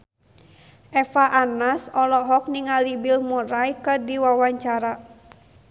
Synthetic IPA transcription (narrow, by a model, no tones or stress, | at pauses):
ʔɛfaʔanasɔlɔɦɔk̚niŋalibilmuɾajkədiwawaɲt͡ʃaɾa